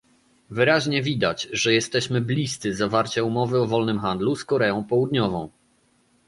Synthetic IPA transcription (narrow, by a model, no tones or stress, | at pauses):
vɘɾaʑɲɛvʲid̪at͡ɕʐɛjɛst̪ɛɕmɘblʲist̪sɘzavaɾt͡ɕaumɔvɘɔvɔlnɘmxand̪luskɔɾɛɔ̃w̃pɔwud̪ɲɔvɔ̃w̃